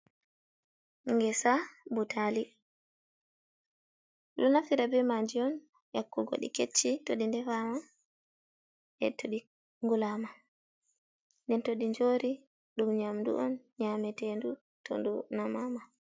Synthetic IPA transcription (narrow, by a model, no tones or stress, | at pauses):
ŋɡɛsabutʰali | lunafiɾabɛmad͡ʒiɔn | jakːuɡo̰ɗḭket͡ʃːitoɗindɛfama | ʔɛ̰tʰoɗi | ŋɡulama | ndɛntoɗiɲd͡ʒoɾi | ɗumɲamdṵʔɔn | ɲamɛtɛndu | tʰo̰ndunamama